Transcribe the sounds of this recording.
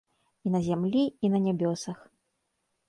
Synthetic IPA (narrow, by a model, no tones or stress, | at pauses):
inɐzʲamlʲiinɐnʲabʲɔsɐx